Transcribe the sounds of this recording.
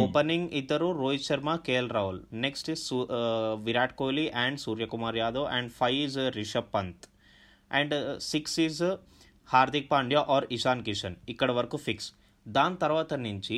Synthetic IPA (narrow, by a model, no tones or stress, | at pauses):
oːpɐniŋɡid̪ːɐɾuɾoːjt͡ʃɐɾmakeːlɾɐulneksʈizuʋiɾaːʈ̚koːliʔɛ̃ːɳɖsuːɾjɐkumaːɾjaːd̪oːʔɛ̃ːɳɖfʰɐjizɾiʃɐpːɐnt̪ | ɛ̃ɳɖsiksiz | haːɾd̪ik̚paːɳɖjaːʔɔːɾiʃaːnkiʃɐnikːɐɽɐʋɐɾɐkufiks | d̪aːnt̪ɐɾʋaːt̪ɐniɲt͡ʃi